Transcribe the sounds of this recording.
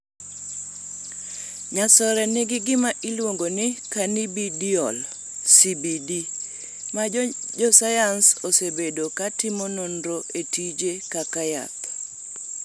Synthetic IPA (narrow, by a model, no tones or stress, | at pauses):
ɲasɔɾɛnɪɡɪɡɪmaʔilwoŋɡonɪkanibidiɔl | sibidi | mad͡ʒɔsajansosebedokatɪmononɾoʔetid͡ʒekakaja̰t